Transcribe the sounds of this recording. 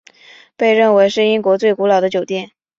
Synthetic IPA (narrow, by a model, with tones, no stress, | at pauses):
pe˥˧ɪɻə˥˩nwe˧˥ɪʂɻ̩˥˩i˥nkwɔ˧˥t͡swe˥˩ɪku˧˥lɑ˨˩ʊd̪ə˦t͡ɕjo˨˩ʊt̪jɛ˥˩n